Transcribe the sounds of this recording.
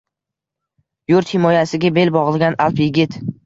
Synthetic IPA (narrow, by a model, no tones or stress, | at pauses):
jʊɾt̪hɪmɒjasɪɡʲabe̞lbɒʁɨlˠɡʲanʔalˠpjɪɡʲɪt̪